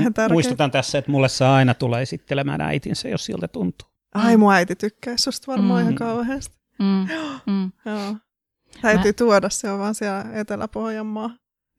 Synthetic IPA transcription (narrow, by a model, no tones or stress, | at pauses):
hent̪æmruist̪ot̪ɑnt̪æsːæet̪mulːessɑːɑinɑt̪uleːesit̪ːelemæ̰ːnæ̰it̪insæjo̰ssḭlt̪æt̪unt̪u̥ː | ʔɑimuæit̪it̪ykːæisːust̪ʋɑrmɑːihɑkɑuheːst̪ | joːjoː | t̪æyt̪yːt̪uɔdɑsseoʋʋɑːnsiælet̪elæ̰pohjɑmːɑː